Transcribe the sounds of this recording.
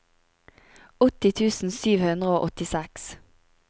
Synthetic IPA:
ɔt̪ɪt̪ʰʉːsn̩syːʋhʉnd̪ʁəoːʔɔt̪ɪsɛks

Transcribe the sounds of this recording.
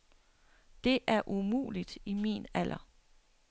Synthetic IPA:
d̥e̝ʔæɐʔumṵːlid̥imḭːnæl̰ʔɐ

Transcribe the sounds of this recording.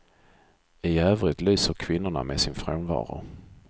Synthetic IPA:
ɪøːvɾɪt̪lyːsəɾkʰvɪnːʊɳa̰mesɪnfɾoːnvɑ̰ːɾʊ̰

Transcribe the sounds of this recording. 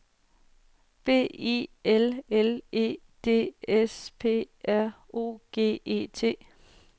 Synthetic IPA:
b̥e̝̰ːḭelele̝̰ː | d̥e̝̰ːespʰe̝̰ː | æɐ̰ | o̝̰ːɡ̥e̝̰ːe̝̰ːt͡sʰe̝̰ː

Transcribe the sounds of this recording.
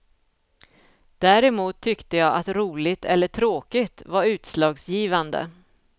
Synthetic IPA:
d̪̥æːɾɛmuːt̪ʰːʏkt̪əjɑːʔat̪ɾuːlɪt̪ʰɛlːəʈʰɾoːkɪt̪vaɾʉ̟ːt̪slɑːɡsjiːvand̪ə̰

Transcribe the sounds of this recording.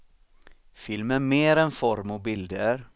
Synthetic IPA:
fɪlmæmeːɾɛnfɔɾmɑbɪld̪əɾ

